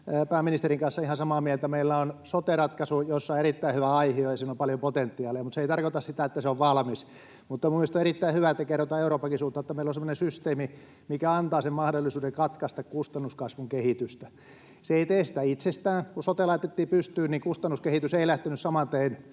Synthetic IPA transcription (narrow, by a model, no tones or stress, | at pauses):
pæːminist̪eriŋkɑnsːɑihɑsɑmɑːmiælt̪æmeilːæonsot̪erɑt̪kɑsujosːɑoerit̪ːæihyʋæɑihiojɑsiːnompɑljopot̪ent̪ːiɑːliɑmut̪seit̪ɑrkot̪ɑssit̪æet̪ːæseoʋʋɑlmis | mut̪ːɑmumilst̪oerit̪ːæihyʋæet̪ːækerːot̪ɑeuroːpːɑkisuːlt̪ɑot̪ːɑmeilːonsemːonesyst̪eːmi | mikæɑnt̪ɑːsemmɑhdolːisuːdeŋkɑt̪kɑst̪ɑkkust̪ɑnːuskɑsʋuŋkehit̪yst̪æ | seeit̪eːsi̥t̪æit̪sest̪æːŋkusot̪elɑit̪et̪ːiːpyst̪yːnnikust̪ɑnːuskehit̪yseilæht̪enyssɑmɑnt̪ein